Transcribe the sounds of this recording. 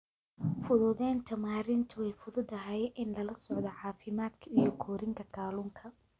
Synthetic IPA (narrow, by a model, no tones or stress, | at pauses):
fʊðʊðɛːnt̪ʰɐmaːɾɪnt̪ʰʊwɛjfʊðʊd̪ɐɦɛjʔɪnlɐlɐsɔʕðɔʕɑːfɪmaːd̪kʰɐijɔkʰɔːɾɪŋkʰɐkʰaːlʊːŋkʰɐ